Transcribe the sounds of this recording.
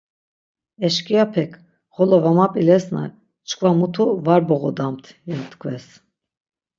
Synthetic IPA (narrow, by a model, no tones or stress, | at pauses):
ɛʃkʼijapʰɛkʰ | χɔlɔvamapʼilɛsna̰ | t͡ʃkʰʼvamut̪ʰuvaɾbɔɣɔd̪amt̪ʰjɛnt̪ʰkʰʼvɛs